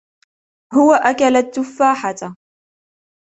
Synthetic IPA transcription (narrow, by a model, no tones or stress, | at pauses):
hʊwaʔakalat̪ːʊfːaːħat̪